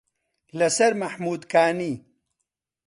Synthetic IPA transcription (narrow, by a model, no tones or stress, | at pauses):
lɐsɐɾmɐħmuːd̪kaːniː